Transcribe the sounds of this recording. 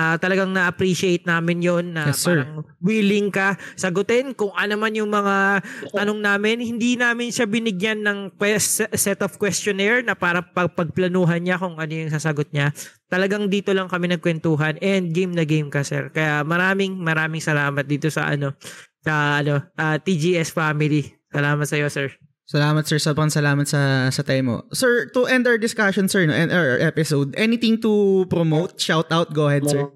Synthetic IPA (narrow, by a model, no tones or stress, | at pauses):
at̪ɐlɐɡaŋnɐʔɐpɾiʃɪejt̪̚naːmɪnjo̞nːɐaɐŋwiːlɪŋkɐsɐɡʊt̪ɛnkʊŋʔɐnomanjʊŋmɐŋat̪ɐnoŋnaːmɪnhɪnd̪inaːmɪnʃabɪnɪɡjanːɐŋkwɛsɛt̪ofkwɛst͡ʃonɛɹnɐpaːɾɐpɐɡ̚pɐɡ̚plɐnuːɦɐnɲakʊŋʔɐno̞jʊŋsɐsɐɡot̪̚ɲat̪ɐlɐɡaŋd̪iːt̪olɐŋkɐmɛnɐɡ̚kwɛnt̪uːɦɐnʔɛnd̪̚ɡejmnɐɡejmkɐsɛ̰ɹkɐjamɐɾaːmɪŋmɐɾaːmɪŋsɐlaːmɐt̪̚d̪iːt̪o̞sɐ̰ʔɐ̰no̞sɐʔɐno̞ʔat̪id͡ʒiʔɛsfaːmɪlisɐlaːmɐt̪̚sɐjo̞sɛɹ | sɐlaːmɐt̪sɛɹsoːbɾɐŋsɐlaːmɐt̪sɐsɐt̪ɛjmo̰sɛɹt̪uʔɛ̃nd̪awɹd̪ɪskaʃɔnsɛɹnoʔɛnaɹʔɛpɪsowd̪ʔɛnit̪ɪ̃ŋt̪upɾomowt̪̚ʃawt̪ʔawt̪̚ɡoːhɛd̪sɛɹ